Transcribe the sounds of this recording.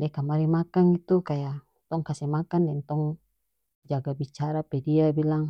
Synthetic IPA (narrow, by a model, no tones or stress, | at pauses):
dɛkamaɾimakaŋit̪ukaja | t̪ɔŋkasɛmakandɛnt̪ɔŋ | d͡ʒaɡabit͡ʃaɾapɛdiabilaŋ